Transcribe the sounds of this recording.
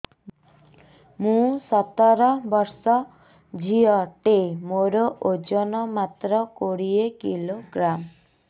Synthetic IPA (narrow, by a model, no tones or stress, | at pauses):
mũsɔt̪ɔɾɔbɔɾsɔ | d͡ʒʱiɔʈemoɾoʔod͡ʒɔnɔmat̪ɾɔkoɽiekiloɡɾam